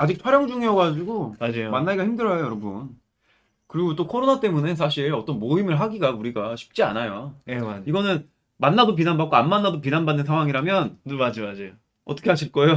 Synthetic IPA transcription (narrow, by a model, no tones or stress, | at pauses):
ad͡ʑik̚t͡ɕʰaɾjʌŋd͡ʑuŋiʌɡad͡ʑiɡomad͡ʑajomanːaiɡaçimdɯɾʌjojʌɾʌbṵn | kɯɾiɡot͈okʰʌɾonat͈e̞mune̞sʰaɕʰiɾʌt͈ʌnmoimɯɭɦaɡiɡauɾiɡaɕʰi̥p̚t͡ɕ͈ia̰najoeiɡʌnɯn | manːadop̬inanbak͈oanmanːadop̬inanbanːɯnsʰaŋɦwaŋiɾamjʌnnɯɭmad͡ʑomad͡ʑe | ʌt͈ʌkʰeɦaɕʰiɭk͈ʌjo